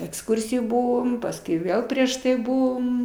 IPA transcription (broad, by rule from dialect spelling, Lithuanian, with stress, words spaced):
ɛksˈkʊrʲsʲɪjoːj ˈbʊʋoːm pɐsˈkʊɪ ˈʋʲeːlˠ pʲrʲiɛʃ tɐɪ ˈbʊʋoːm